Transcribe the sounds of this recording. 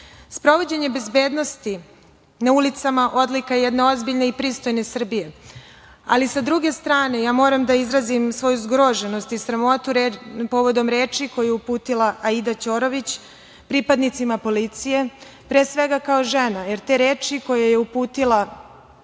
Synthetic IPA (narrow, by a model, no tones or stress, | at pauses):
spɾo̞ʋo̞d͡ʑe̞ɲe̞be̞zbe̞ːd̪no̞st̪i | naulit̪samaʔo̞d̪likajɛd̪neo̞zbiʎne̞ipɾiːst̪o̞jne̞sr̩bije̞ | a̰lisad̪ɾuɡe̞st̪ɾaːne̞jaːmo̞ːɾamd̪aizɾazimsʋo̞juzɡɾo̞ʒe̞nost̪isɾamo̞t̪uɾpo̞ʋo̞d̪o̞mɾe̞ːt͡ʃiko̞jujeupuːt̪ilˠaʔaid̪at͡ɕo̞ɾo̞ʋit͡ɕ | pɾipad̪nit̪simapo̞lit̪sije̞ | pɾe̞ːsʋe̞ɡakao̞ʒe̞najeɾt̪e̞ɾe̞ːt͡ʃiko̞jajeupuːt̪ila